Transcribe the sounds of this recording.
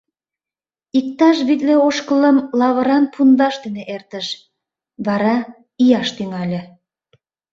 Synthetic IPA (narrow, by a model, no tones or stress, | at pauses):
ik̚t̪ɑʃβit̪leoʃkələmlɑβə̆ɾɑnpʰund̪ɑʃd̪eneʔert̪ə̆ʃ | βɑɾɑ | ijɑʃt̪yŋɑlʲĕ